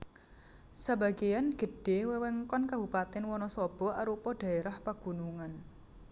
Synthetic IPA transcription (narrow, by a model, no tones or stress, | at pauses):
saba̤ɡejanɡ̥ə̤ɖ̥e̤wɛwɛŋkɔnkabupat̪ɪnwɔnɔsɔb̥ɔ̤aɾupɔɖ̥a̤eɾahpaɡ̥ṳnuŋan